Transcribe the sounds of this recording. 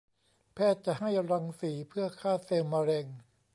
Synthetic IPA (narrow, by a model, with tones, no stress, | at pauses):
pʰɛː˥˩t̪̚t͡ɕa˨ha˥˩jɾa˧ŋsiː˩˦pʰɯ˥˩ɐkʰaː˥˩seː˧wmːaː˧ɾɛː˧ŋ